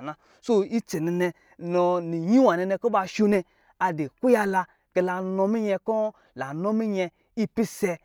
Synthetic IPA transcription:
na˨ | so˦i˦t͡ʃe˨ni˧ne˧ | no˧ni˨ɲi˦wa˨ne˧ne˧ko˦ba˧ʃu˦˧ne˧ | a˨de˨ku˦ja˧la˧ | ke˧la˧no˧mi˦ɲɛ˧ko˦ | la˨no˦mi˦ɲe˧ | i˦pi˦se˧

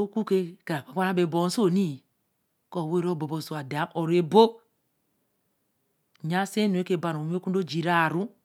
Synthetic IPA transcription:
o˦ku˦ke˦ka˨a˨ka˨kʷa˦na˦be˨bo˨n˦so˦˨ni˦˨ | ko˨we˦ɾo˦bo˨bo˨so˨a˨da˨˦ʔo˨ɾe˨bo˦˨ | ɲa˦se˦nu˨e˦ke˦˨ba˨ɾo˨m˦o˦ku˦n˦do˦d͡ʒi˨ɾa˦˨ɾu˦

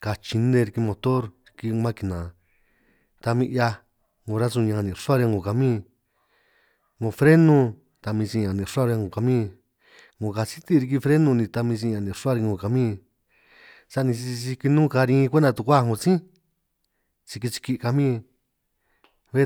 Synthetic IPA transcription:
ka˧t͡ʃi˧nẽ˧ɾi˧ki˧mõ˧t̪o˦ɾɾi˧ki˧mã˦ki˧nã˨ | t̪a˧mĩ˧ʔja˧ | ŋõ˧ɾa˦su˧ɲã˧nĩ˨ʂu˦a˦˧ɾŋɡõ˨ka˧mĩː˦˧ | ŋõ˧fɾe˦nũ˧ | t̪a˧mĩ˧sĩ˧ã˨nĩ˧˨ʂa˦˧ɾa˧ŋõ˨ka˧mĩ˦˧ | ŋõ˨ka˧si˦t̪i˦˧ɾi˧k̬i˧fɾe˦nũ˧nĩ˧t̪a˧mĩ˧s̬ĩ˧ã˧nĩ˨ʂa˦ɾi˧ŋõ˨ka˧mĩ˦˧ | sa˧nĩ˧si˧i˧si˧ki˧nũ˦˧ka˧ɾĩ˧kʷe˦nd̪a˧t̪u˧kʷa˦˧ŋɡõ˧t͡sĩ˦ | t͡si˧ki˧t͡ʃi̥˧ki˧ʔka˧mĩː˦ | βe˦

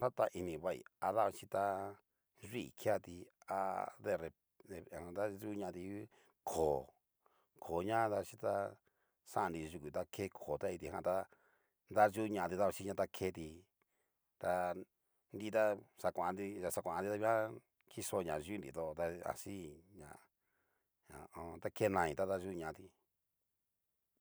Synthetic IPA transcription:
t̪a˦t̪a˧ʔi˧nĩ˧βa˧˨ḭ˨a˧ða˦a˧t͡ʃi˧t̪a˧ | ʐi˦˨kʰja˦˧t̪i˧a̰˧ðe˧ɾe˧ | e˧˨hã˧˨d̪a˦ʒu˦ɲã˧˨˧t̪i˧˦ | kʰoː˨ | kʰo˨ɲã˦d̪a˧t͡ʃi˦t̪a˧ | sã˦ʔã˧nd̪i˧ʒu˧kʷu˨t̪a˧kʰe˦kʰoː˨t̪a˦i˧t̪i˧˨ã˧t̪a˧ | nd̪a˦ʒu˦˧ɲã˧˨˧t̪i˧t̪a˦˧a˧ʃi˦ɲã˧t̪a˦kʰe˧˦˧t̪i˧ | t̪a˧ | nd̪i˧˦˧t̪a˦sa˧kʷã˨a˧nd̪i˧a˧sa˧kʷã˨˧d̪i˧t̪a˧βi˦ã˦ | kʰi˦so˧ɲã˨˧ʒu˦nd̪ḭ˨˧t̪o˧t̪a˧a̰˨si˦ɲã̰˧˨ | ã̰˨˧õ˧t̪a˦ke˦˧nã˧ĩ˧˨t̪a˦d̪a˦ʒu˦˧ɲã˧ʔt̪i˧

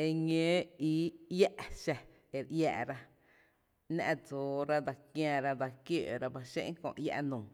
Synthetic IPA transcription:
e˧ɲẽː˦i˧˦ja˦ʔʃa˧ | e˨ɾʔja̰ː˧ʔɾa˧ | nã̰˧ʔd͡zoː˨ɾa˦d̪a˧kj̃ã˧ɾa˧d̪a˧kjoː˦˨ɾa˧ba˧ʃḛ̃˦ʔŋ˦kõ̰˧˨ʔja̰˧ʔnũː˨

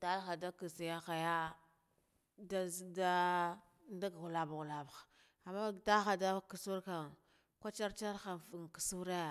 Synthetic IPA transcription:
ta˦lxa˨da˦ki˨si˨ja˦xa˨ja˦ | da˦zda˦ | nda˦ɡa˨ɣu˨la˨ba˨ɣu˨la˨ba˨xa˨ | a˨mːa˦ta˦xa˨da˦ku˨su˦ɾka˨ | kʷa˦t͡ʃa˦ɾt͡ʃa˦ɾxa˨fŋ˨ki̥˨su˦ɾa˦˨

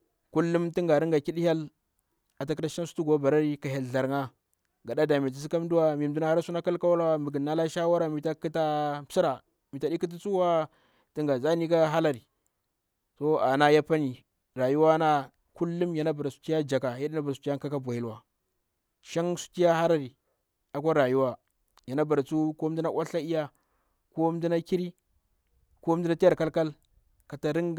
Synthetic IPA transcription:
ku˦lːu˦mti˦ŋɡa˨ɾi˦ŋɡa˨ki˦ɗha˦l | a˨ta˦ki˦ta˦ʃa˦n˦su̥˦tu˦ɡo˨˦ba˨ɾa˦ɾi˦ka˨ɦa˨lɮa˨ɾŋa˦ | ɡa˨ɗa˦da˨mi˨i˨s̬i˦ka˦m˦du˦wa˦mi˨m˨du˦na˦ha˦ɾa˦su˦na˦ka˦lka˦wa˦la˦˨mi˨ɡi˨nːa˦la˦ʃa˦wa˦ɾa˦mi˨ta˦ki˦ta˦si˦ɾa˨ | mi˨ta˨ɗi˦ki˦t̬i˦t͡su˦wa˦ | ti˨˦ŋɡa˨za˦ni˦ka˦ɦa˦la˨ɾi˨ | to˦a˨na˦ja˦pa˦ni˨ | ɾa˨ju˦wa˦na˦ | ku˦lːu˦mja˨na˦ba˨ɾa˨su̥˨ti˦ja˦d͡ʒa˨ka˨ja˦ɗi˦na˦ba˨ɾsu˨ti˦a˦ŋka˦ka˦bʷa˨ji˦lwa˨ | ʃa˦ŋsu̥˨ti˦ja˦ha˦la˨ɾi˨ | a˨kʷa˦ɾa˨ju˦wa˦ | ja˨na˦ba˨ɾa˨t͡su˦ko˦m˦di˦na˦wʷʔa˦ɬa˦i˦ja˦ | ko˦m˦di˦na˦ki˦ɾi˦ | ko˦m˦di˦na˦ti˦ja˨ɾka˦lka˦l | ka˨ta˨ɾi˦ŋ

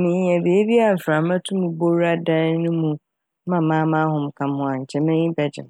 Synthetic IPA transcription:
mɪ̃˨ɲ˦ɛ̃˨beː˨˦e˦bi˦a˨m̩˨fɪɾa˨mã˦tʰũ˦mũ˨bo˦ɾa˦dã˦n˦nʊ̃˦mũ˨˦ | mã˨mãː˦mã˦ɦʊ̃˨m̩˨kʰã˨m˦ʊ̃˦a˨ɲ̩˨t͡ɕʰɛ˨mɛ̃˦ɲĩ˦bɛ˨d͡ʑɪ̰˨m˨

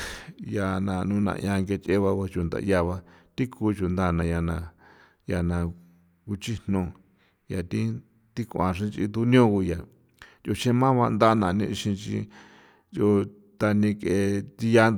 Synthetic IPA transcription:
ja˧nã̰˧˨nũ˧nã̰˧˨˧jã˧ŋɡe˧t͡ʃe˦βa˧βa˧t͡ʃu˧nd̪a̰˧˨˧ja˧βa˧t̪i˦kʰuː˧˦t͡ʃu˨nd̪a˦˨nã˧ja˧nã˧ | ja˧nã˧ | ku˧t͡ʃi˦n̥nõ˧ | ja˨t̪i˦ | t̪i˦kʷã˨ʂ̬ĩ˦t͡ʃḭ˧d̪u˦nĩ˦õ˦ku˧ja˨ | jo˧t͡ʃẽ˦mã˦βa˧nd̪a˦˧nã̰˨nĩ˧ʃĩ˧t͡ʃḭ˧ | jo˧ | t̪a˧nĩ˧ke˧˨t̪i˧ja˦

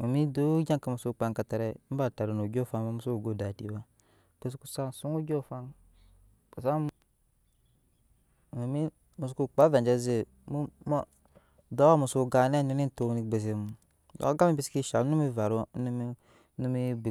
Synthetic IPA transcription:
mu˨mi˦du˦d͡ʒa˦ŋka˨mu˨su˦˨k͡pa˨˦ŋka˨ta˨ɾe˦m̩˦ba˨ta˨ɾu˨no˨d͡ʒo˦˨fa˦ŋma˦mu˨˦u˦˨ɡo˨˦˨da˨di˨˦wa˦ | ke˨s̬ku˦sa˦˨su˦ŋu˦d͡ʒo˦˨fa˦ŋ | ka˨sa˦˨ | mu˨mi˦ | mu˨s̬u˦ku˦k͡pa˦va˨nd͡ʒa˦ze˦˨ | mu˦m˦ | do˦a˦mu˨su˦˨ɡa˨˦ne˦˨nu˦ni˦n˦to˦ni˦be˨s̬i˦mu˨ | dɔ̰˦ɡa˦mi˦bi˦si̥˦ki˦ʃa˨lnu˦mi˦va˨ɾu˦n˦m˦ | nu˦mi˦bi˨

